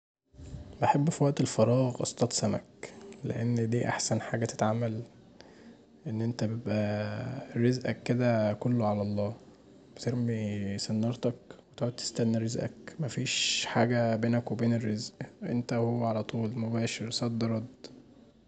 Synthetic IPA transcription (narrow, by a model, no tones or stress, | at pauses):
beħebːfiwæʔt̪elfɑɾˤɑːɣʔɑ̰st̪ˤɑt̪ˤsæmæ̰klḛʔenːd̪iːʔa̰ħsænħaːɡæt̪e̥t̪ʕamːæl | ʔenːʔent̪æbebʔæ | ɾːezʔækːed̪ækolːoʕalæʔlˤːɑː | b̥et̪eɾmisenːɑɾˤt̪ɑkwet̪ʕoːd̪̚t̪e̥st̪ænːɾezʔæ̰kmæfiːʃħaːɡæbeːnækwebeːnerːezʔʔḛnt̪æhowːæʕalæt̪ˤuːlmobæːʃeɾsˤɑd̪ːɑɾˤɑd̪